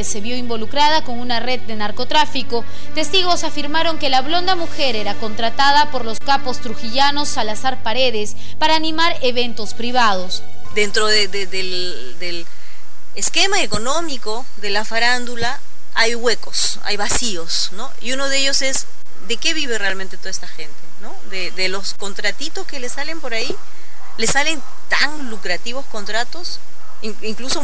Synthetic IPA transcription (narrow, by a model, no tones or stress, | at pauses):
ese̞βjo̞imbo̞lukɾað̞ako̞ŋunare̞ð̚ːe̞naɾko̞t̪ɾafiko̞ | t̪e̞st̪iɣo̞safiɾmaɾo̞ŋke̞laβlo̞nd̪amuxe̞ɾe̞ɾako̞nt̪ɾat̪aðapo̞ɾlo̞skapo̞st̪ɾuxiʝano̞salasaɾpaɾe̞ðes | paɾaːnimaɾe̞βe̞nt̪o̞spɾiβað̞o̞s | d̪e̞nt̪ɾoðeðeðel | d̪el | eske̞maeko̞nomiko̞ | ðelafaɾand̪ula | ajɣwe̞ko̞s | a̰jβasio̞s | no̞̰iuno̞ðeeʝo̞se̞s | d̪e̞ke̞βiβerealmẽnt̪et̪o̞aest̪axe̞nt̪e̞no̞ðeðelosko̞nt̪ɾat̪it̪o̞skelesalempo̞ɾai | le̞sale̞n | t̪a̰ŋlukɾat̪iβo̞sko̞nt̪ɾat̪o̞s | iŋiŋkluso